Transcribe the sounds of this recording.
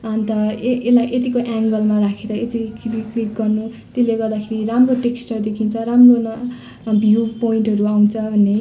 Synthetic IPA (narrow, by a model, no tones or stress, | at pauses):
ʌnt̪ʌelaʔet̪̬ikoʔaŋɡʌlmaɾakʰeɾʌet̪ikliklik̚ɡʌrnu | t̪eleɡʌrd̪akʰeɾiramroʈeksʈʌrd̪ekʰint͡sʰʌɾamronʌ | bʱjiuwpoiɳʈɦʌɾuaw̃t͡sʰʌbʱʌnːe